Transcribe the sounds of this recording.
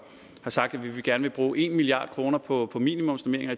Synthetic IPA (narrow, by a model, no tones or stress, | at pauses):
hɑ̈sɑ̈ɡ̥d̥æʋiʋe̝ɡ̥æɐnəʋe̝b̥ʁuːʔe̝nmiliɑ̰̈ːd̥kʰʁo̝ːnɐpʰɒ̽pʰɒ̽mḭnimɔ̽msome̝ɐeŋɐ